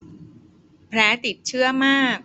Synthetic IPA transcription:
pʰɾɛː˦˥t̪i˨˩t̪̚t͡ɕʰɯ˥˩ɐmaː˥˩k̚

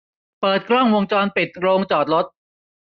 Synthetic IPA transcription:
pɤː˨˩t̪̚kʰɾɔ˥˩ŋwo˧ŋt͡ɕɔː˧npi˨˩t̪̚ɾoː˧ŋt͡ɕɔː˨˩t̪̚ɾo˦˥t̪̚

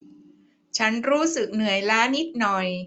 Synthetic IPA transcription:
t͡ɕʰa˦˥nɾuː˦˥sɯ˨˩k̚nɯ˨˩əjlaː˦˥ni˦˥t̪̚nɔ˨˩j

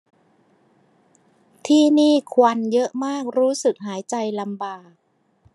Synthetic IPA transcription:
t̪ʰiː˥˩niː˥˩kʰwa˧njɤ˦˥ʔmaː˥˩k̚ɾuː˦˥sɯ˨˩k̚ɦaː˩˦jt͡ɕa˧jla˧mbaː˨˩k̚

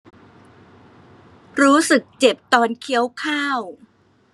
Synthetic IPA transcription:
ɾuː˦˥sɯ˨˩k̚t͡ɕe˨˩p̚t̪ɔː˧nkʰi˦˥əwkʰaː˥˩w

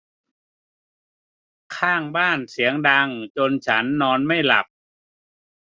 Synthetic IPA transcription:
kʰaː˥˩ŋbaː˥˩nsi˩˦əŋda˧ŋt͡ɕo˧nt͡ɕʰa˦˥nːɔː˧nma˥˩jla̰˨˩p̚

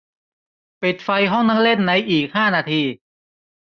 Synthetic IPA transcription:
pi˨˩t̪̚fa˧jɦɔ˥˩ŋna˦˥˩le˥˩nːa˧jʔiː˨˩k̚haː˥˩naː˧t̪ʰiː˧

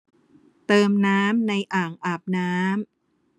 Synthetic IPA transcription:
t̪ɤː˧mnaː˦˥mna˧jʔaː˨˩ŋʔaː˨˩p̚naː˦˥m

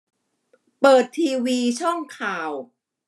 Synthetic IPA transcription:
pɤː˨˩t̪ʰːiː˧wiː˧t͡ɕʰɔ˥˩ŋkʰaː˨˩w

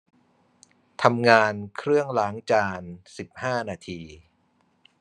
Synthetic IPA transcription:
t̪ʰa˧mŋaː˧nkʰɾɯ˥˩əŋlaː˩˦ŋt͡ɕaː˧nsi˨˩p̚haː˥˩naː˧t̪ʰiː˧

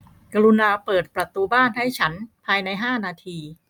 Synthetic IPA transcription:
ka˧ɾu˧naː˧pɤː˨˩t̪̚pɾa˧t̪uː˧baː˥˩nha˥˩jt͡ɕʰa˦˥npʰaː˧jna˧jɦaː˥˩naː˧t̪ʰiː˧

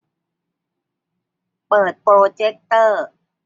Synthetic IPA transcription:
pɤː˨˩t̪̚pɾoː˧t͡ɕe˦˥k̚t̪ɤː˥˩

